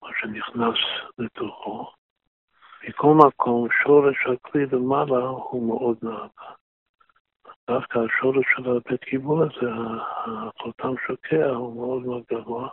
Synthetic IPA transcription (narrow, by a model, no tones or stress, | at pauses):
maʃeniχnasbet̪ʰoχo | mikʰolmakʰo̞mʃoʁeʃhaklilemalahumeʔo̞d̪naaɡa | d̪afkaːʃoʁeʃːelabet̪kʰibulazeaaqolt̪ʰamʃokʰeahumeod̪moodɡavoa